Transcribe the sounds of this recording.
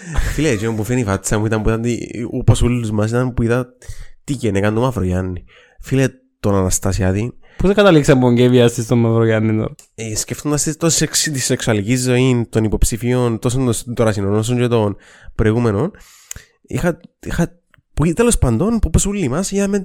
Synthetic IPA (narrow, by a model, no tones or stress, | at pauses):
filet͡ʃempufenifɐsɐmuit̪ɐmpuiðɐnt̪iuposulːuzmɐsit̪ɐmpuiðɐt̪icenekɐnt̪omɐfɾojɐnːi | file | t̪onɐnɐst̪ɐsiɐt̪inposeɡɐt̪ɐliksɐmpoɲɟeviɐst̪ist̪omɐvɾojɐnːit̪o̰ | esceft̪ond̪ɐst̪it̪osi̥seksit̪isːeksuɐlicizːo̞int̪o̞nipo̞psifiont̪os̬ond̪ost̪oɾɐsinonos̬oɲd͡ʒet̪on | pɾo̞iɣumeno̞n | ḭxɐixɐ | puit̪elo̞spɐnd̪o̞npuposulːimɐsiðɐmen